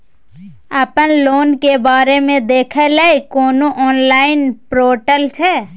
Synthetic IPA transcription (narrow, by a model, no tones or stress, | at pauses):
əpənloːnkebaːɾemẽd̪eːkʰeləikoːnoʔɔːnlaːɪnpɾoːʈəlt͡ʃʰɛ